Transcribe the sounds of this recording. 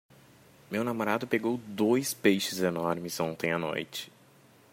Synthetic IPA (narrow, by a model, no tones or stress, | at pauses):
mewnamoɾad̪ʊpeɡowd̪ojspejʃɪzenɔɾmɪzõnt̪ẽj̃ano̰jt͡ʃɪ̥